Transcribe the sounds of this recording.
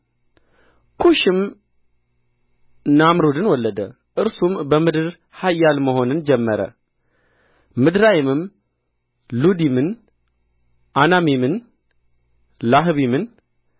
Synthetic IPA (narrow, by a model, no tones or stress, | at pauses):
kʰuʃɪm | namɾud̪ɨnwɔlːəd̪ə̰ | ʔɨɾsumbəmɨd̪ɨɾ | hajːalməɦo̞nɨnd͡ʒɛmːəɾə̰ | mɨd̪ɾajɪmɨm | lud̪imɨn | ʔanamimɨn | laɦβimɨn